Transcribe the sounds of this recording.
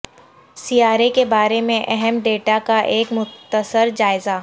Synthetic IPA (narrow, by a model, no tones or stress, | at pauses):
siːaːɾekebaːɾemẽʔɛɦɛmɖeːʈakaʔeːkmʊt̪ːəsəɾd͡ʒaːɪzaː